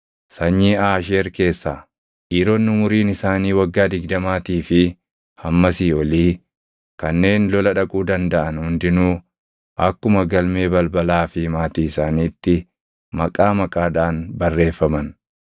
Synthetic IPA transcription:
sɐɲːiːaːʃeːɾke̞ːsːaː | ʔiːɾoːnːʊmʊɾiːnɪsaːniːwɐɡːaːd̪ɪɡd̪ɐmaːt̪iːfɪ | hɐmːɐsiːɔliː | kɐnːe̞ːnlɔlɐᶑɐkʼuːd̪ɐnd̪ɐʔɐnhʊnd̪ɪnuː | ʔɐkːʊmɐɡɐlme̞ːbɐlbɐlaːfɪmaːt̪iːɪsaːniːt̪ːɪ | mɐkʼaːmɐkʼaːd̪aːnbɐrːe̞ːfːɐmɐn

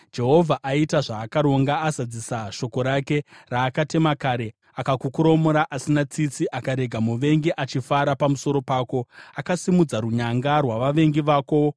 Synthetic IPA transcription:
d͡ʒe̞ɦo̞vʱaʔaitaʐaːkaɾo̞ŋɡaːzad͡zisaʃo̞ko̞ɾake̞raːkate̞makaɾe̞ | akakukuɾo̞moɾaʔasinat͡sit͡siʔakaɾe̞ɡʱamuʋe̞ŋɡiʔat͡ʃifaɾapamuso̞ɾo̞paːko̞akasimud͡zaɾuɲaŋɡarwaʋaʋe̞ŋɡiʋaːko̞

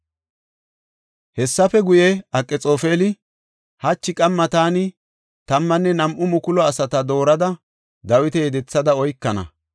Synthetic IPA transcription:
hɛsːɐfɛɡʊjɛɐkʼːɛt͡sʼoːfeːlɪ | hɐt͡ʃːɪkʼɐmːɐt̪aːnɪ | t̪ɐmːɐnːɛnɐmʔʊmʊkʊlɔɐsɐt̪ɐd̪o̞ːɾɐd̪ɐ | d̪ɐwɪt̪ɛjɛd̪ɛt͡sːɐd̪ɐɔjkːɐnɐ̰

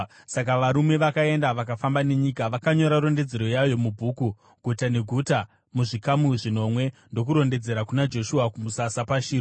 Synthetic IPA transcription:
sak̬aʋaɾume̞ʋakae̞ndaʋakafambane̞ɲikaʋakaɲo̞ɾaɾo̞nde̞d͡ze̞ɾo̞jajo̞mubʱuːku | ɡʱutane̞ɡʱuta | muʐikamuʐino̞mwe̞ndo̞kuɾo̞nde̞d͡ze̞ɾakunad͡ʒo̞ʃuakumusasapaʃiː

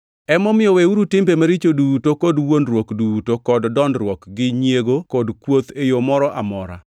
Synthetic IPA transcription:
ɛmɔmɪjɔweuɾutɪmbemaɾit͡ʃodutokɔdwondɾwokdutokɔddɔndɾwɔkɡɪɲjeɡokɔdkwot̪ejomɔɾɔʔamɔɾa̰

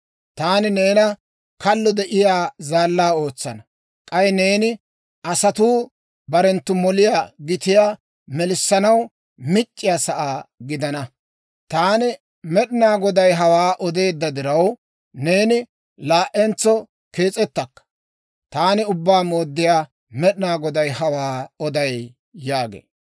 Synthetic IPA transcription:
t̪aːnɪneːnɐ | kɐlːɔd̪ɛʔɪjaːzaːlːaːo̞ːt͡sːɐnɐ | kʼɐjneːnɪ | ʔɐsɐt̪uː | bɐɾɛnt̪ːʊmɔlɪjaːɡɪt̪ɪjaː | mɛlɪsːɐnɐw | mɪt͡ʃʼːɪjaːsɐʔaːɡɪd̪ɐnɐ | t̪aːnɪ | mɛɗɪnaːɡɔd̪ɐjɦɐwaːʔɔd̪e̞ːd̪ːɐd̪ɪɾɐw | ne̞ːnɪ | laːʔɛnt͡sːɔ | ke̞ːt͡sʼɛt̪ːɐkːɐ̥ | t̪aːnɪʊbːaːmo̞ːd̪ːɪjaː | mɛɗɪnaːɡɔd̪ɐjhɐwaːɔd̪ɐj | jaːɡḛː

